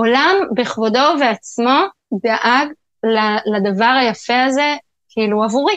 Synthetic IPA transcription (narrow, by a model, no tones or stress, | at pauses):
olambeχvodo̞veat͡smo̞ | d̪aʔaɡ | lalad̪avaʁajafe̞aze̞ | kʰiiluavuʁi